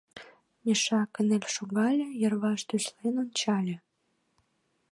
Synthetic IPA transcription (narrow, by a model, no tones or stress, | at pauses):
mʲeʃɑkənelʲʃoɣɑlʲĕjə̆rβɑʃd̪yʃlenont͡ɕɑlʲĕ